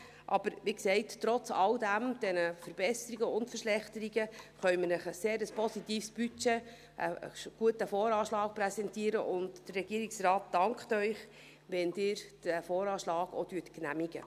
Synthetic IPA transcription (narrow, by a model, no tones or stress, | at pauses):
ʔɑb̥əɾʋiksɛɪtːɾɔt͡sɑldæmd̥ɛnəfəɾb̥ɛsəɾiɡəʊntfəɾʃlɛχtəɾiɡəχœʏmənəχəseːɾəspɔsitiːfsb̥yt͡ʃe | ʔə̰ɡ̥uətəfoːɾɑːʃlɑːk̚prɛsɛntiːəɾə̰ʔʊndd̥ərːɛɡ̥iəɾiksrɑːt̚dɑŋkχtœʏχ | ʋɛndɪːɾd̥æfoːɾɑːʃlɑːɡo̰tyːtknæmiɡ̥ə̰